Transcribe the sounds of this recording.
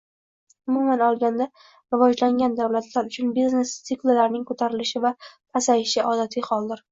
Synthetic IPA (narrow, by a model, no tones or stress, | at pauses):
ʊmumanɒlˠɡʲand̪a | ɾɪvɒd͡ʒlaŋɡʲand̪awlat̪ʰlaɾʊt͡ʃʰʊnbizne̞st̪sɪklˠɪlaɾnɪŋkʰot̪ʰaɾɪlɪʃɪvat̪ʰasajɪʃɪʔɒd̪at̪ʰɪhɒlˠd̪ɪɾ